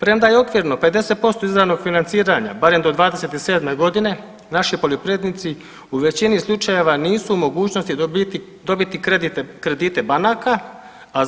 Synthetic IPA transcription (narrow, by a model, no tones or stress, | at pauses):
pɾemd̪ajeo̞kʋiːɾno̞pe̞d̪e̞se̞t̪̚po̞st̪oizɾaʋno̞ɡ̥finant̪siːɾaɲa̰baɾe̞md̪o̞d̪ʋaːd̪e̞se̞t̪ise̞ːd̪me̞ɡo̞d̪ine̞ | naʃipo̞ljopɾeːd̪nit̪si | uʋe̞t͡ɕinislˠut͡ʃaje̞ʋaniːsuumo̞ɡuːt͡ɕnost̪i | d̪o̞bit̪id̪ikɾe̞d̪iːt̪e̞banaːka | a